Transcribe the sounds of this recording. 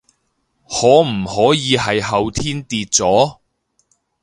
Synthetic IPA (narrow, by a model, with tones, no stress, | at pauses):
hɔː˨˥m̩˨˩hɔː˨˥jiː˨˧ɦɐ˨jɦɐ˨˧wt̪ʰiː˥nt̪iː˧t̚t͡sɔː˨˥